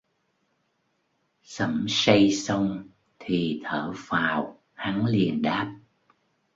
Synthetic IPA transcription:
sə˧˩msə˧jsə˧wŋ͡m | t̪ʰi˨˩t̪ʰəː˧˩faː˨˩w | ha˨˦ŋli˨˩ənɗaː˦˥p̚

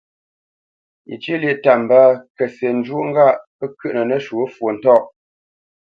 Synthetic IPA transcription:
ḭ˨t͡ʃi˦li˦ʔta˨m˨ba˦kə˨se˨n̩˦d͡ʒu˦ŋ̩˦ɡa˦˨ʔ | ə˦kʉ˦ʔnə˨nə˦ʃu˨˦fwo˨n̩˨tɔ˦˨ʔ

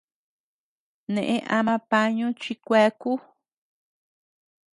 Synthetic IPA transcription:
nẽ˨ʔẽ˦ʔa˧mã˧pa˧ɲũ˦t͡ʃi˧kʷe˧˦ku˦

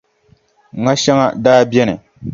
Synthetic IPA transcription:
ŋa˦ʃɛ˦ŋa̰˦daː˦bɛ˦nɨ˨

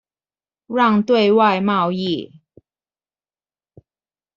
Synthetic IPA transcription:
ɻɑ˥˧ŋt̪we˥˧ɪwa˥˧ɪmɑ˥˧ʊi˥˨˩

